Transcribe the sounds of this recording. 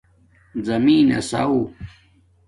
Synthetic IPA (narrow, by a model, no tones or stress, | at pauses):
zɐmiːnɐ̰sa̰u